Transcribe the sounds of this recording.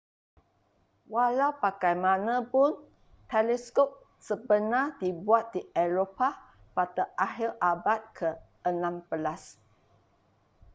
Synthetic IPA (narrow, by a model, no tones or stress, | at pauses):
walawpakajmãnãpʊn | t̪ɛlɛskop̚ | səbənãdibuat̪̚diɛɹopa | pat̪əʔaɦilʔabat̪̚kʰə | ənãmpəlas